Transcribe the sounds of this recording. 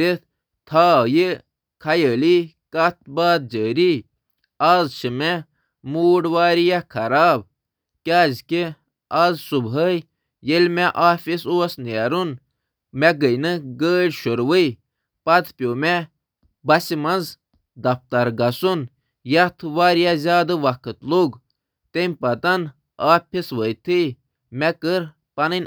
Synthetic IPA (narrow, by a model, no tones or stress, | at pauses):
ɾit̪ | t̪ʰaːji | kʰɐjəːli | kɐt̪̚ʰbaːd̪̚d͡ʒəːɾi | aːzʃimɛ | muːɖʋaːɾijakʰɐɾaːb | kʲaːzki | aːzsubɦəj | jelʲmeʔaːfisoːsneːɾun | mɛɡəjnɨɡəːɽʲʃuɾʋəj | pɐt̪pʲjoːmɛ | bɐsimɐnz | d̪ɐft̪ɐɾɡɐsun | jɐt̪ʰʋaːɾijazʲaːd̪ɨʋɐkʰɨt̪luɡ | t̪emʲpɐt̪ɐn | aːpʲʰisʋəjt̪ʰɨj | mɛkəɾ | pɐnɨnʲ